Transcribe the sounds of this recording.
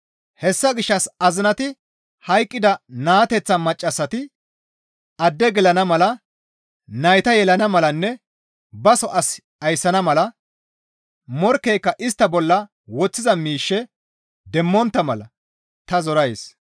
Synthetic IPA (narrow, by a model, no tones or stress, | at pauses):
hɛsːɐɡɪʃːɐsɐzɪnɐt̪ɪ | hɐjkʼːɪd̪ɐnaːt̪ɛt͡sːɐmɐt͡ʃʼːɐsːɐt̪ɪ | ɐd̪ːɛɡɛlɐnɐmɐlɐ | nɐjt̪ɐjɛlɐnɐmɐlɐnːɛ | bɐsɔʔɐs | ɐjsːɐnɐmɐlɐ | mɔɾkːɛjkːɐʔɪst̪ːɐbɔlːɐ | wɔt͡sːɪzɐmiːʃːɛ | d̪ɛmːɔnt̪ːɐmɐlɐ | t̪ɐzɔɾɐjs